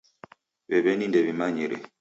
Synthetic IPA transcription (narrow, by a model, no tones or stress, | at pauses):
bɛβɛnindɛβimaɲiɾɛ̰